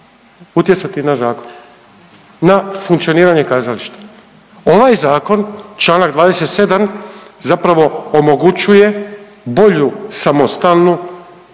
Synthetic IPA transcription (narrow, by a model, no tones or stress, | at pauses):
ut̪jesat̪inazaːkon | nafuŋk̪sijo̞niːɾaɲekaːzaliʃt̪ḁ | o̞ʋajzaːko̞nt͡ʃlˠaːnaɡd̪ʋaːd̪ese̞t̪se̞d̪amzapɾaʋo̞omo̞ɡut͡ʃuje̞ | bo̞ʎusamo̞st̪alnu